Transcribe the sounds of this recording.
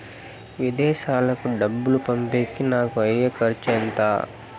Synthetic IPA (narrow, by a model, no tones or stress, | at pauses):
ʋid̪ɛːʃaːlɐkuɖɐbːulupɐmpeːkːinaːkuɐjːɐkɐɾt͡ʃɛnt̪a̰ː